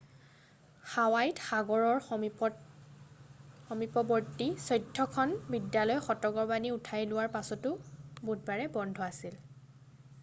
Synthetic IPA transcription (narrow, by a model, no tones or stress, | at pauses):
xawajtxaɡɔɹɔɹ | xɔmipɔbɔɹtisɔjdʱːɔkʰɔnbidjalɔjxɔtɔɡɔɹbaniʊtʰajlʊwaɹpasɔtʊbud̚baɹɛbɔndʱɔasil